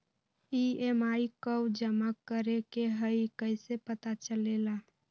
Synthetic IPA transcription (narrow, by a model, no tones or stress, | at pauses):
iemaikəwd͡ʒəmakːəɾekeɦəikəɪsepət̪at͡ʃəlela